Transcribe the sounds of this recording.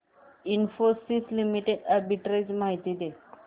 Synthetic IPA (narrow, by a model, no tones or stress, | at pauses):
infosislimiʈeɖaɾbiʈɾed͡ʑmaɦit̪id̪e